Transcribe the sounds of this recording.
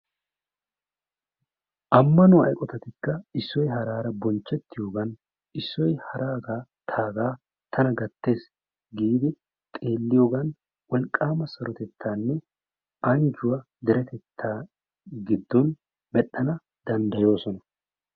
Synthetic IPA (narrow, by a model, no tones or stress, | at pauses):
ʔɐmːɐnʊɐ̰jkʼɔt̪ɐt̪ɪkːɐɪsːɔjɦɐɾaːɾɐbɔnt͡ʃːɛt̪ːɪjo̞ːɡɐn | ʔɪsːɔjhɐɾʔaːɡaːt̪ʰaːɡaː | t̪ʰɐnɐɡɐt̪ːe̞ːs | ɡiːd̪ɪ | t̪ʼe̞ːlːɪjo̞ːɡɐn | wɔlkʼːaːmɐsɐɾɔt̪ɛt̪ːaːnːɛ | ʔɐnd͡ʒʊwɐ | d̪ɛɾɛt̪ɛt̪ʰːaː | ɡɪd̪ːɔn | mɛɗːɐnɐ | d̪ɐnd̪ɐjo̞ːsɔnɐ